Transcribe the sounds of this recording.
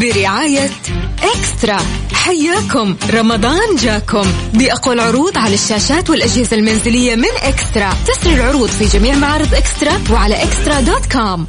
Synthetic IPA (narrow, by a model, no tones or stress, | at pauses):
bɪɾɪʕaːja | ʔɪkst̪ɾˤɑ | ħajːaːkʊmɾˤɑmɑd̪ˤɑːnd͡ʒaːkʊmbiʔaqalʕʊɾuːd̪ˤʕalaʃːaːʃaːt̪wɪlʔad͡ʒhɪzalmanzɪlɪjːamɪnʔɪkst̪ɾˤɑt̪asɾilʕʊɾuːd̪ˤfid͡ʒamiːʕmaʕɑːɾˤɨd̪ˤʔɪkst̪ɾˤɑwɪʕalaʔɪkst̪ɾˤɑd̪oːt̪kaːm